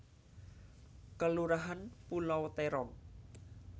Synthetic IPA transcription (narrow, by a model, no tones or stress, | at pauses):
kəluɾaɦanpulɔwt̪eɾɔn